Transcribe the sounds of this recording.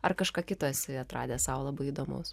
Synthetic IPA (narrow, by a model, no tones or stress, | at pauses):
ɐrkɐʃkɑːkʲɪt̪oːsʲɪɐt̪ɾɑ̰ːdʲeːsɑːʋlˠɐbɐɪid̪oːmo̰ːs